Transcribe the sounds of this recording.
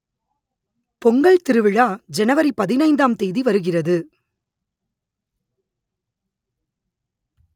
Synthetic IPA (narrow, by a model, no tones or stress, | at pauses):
pɔŋɡɐɭt̪ɪɾɯʋɪɻaːd͡ʒɛnɐʋɐɾipɐðɪnɐɪnd̪aːmt̪ɛjðiʋɐɾɯɣɪrɐðɯ